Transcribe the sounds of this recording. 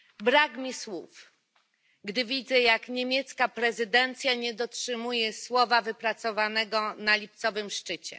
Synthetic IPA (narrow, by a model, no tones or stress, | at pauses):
bɾakmʲiswuf | ɡd̪ɘvʲid̪zɛjakɲemʲjɛt̪skapɾɛzɘd̪ɛnt̪sʲjaɲɛd̪ɔtʂɘmujɛswɔvavɘpɾat̪sɔvanɛɡɔnalʲip̚t̪sɔvɘmʂt͡ʂɘt͡ɕɛ̰